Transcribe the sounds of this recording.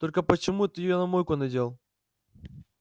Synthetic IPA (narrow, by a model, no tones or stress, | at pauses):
t̪o̞lʲkəpət͡ɕɪmut̪ɨjɪjonɐmojkʊnɐdʲelˠ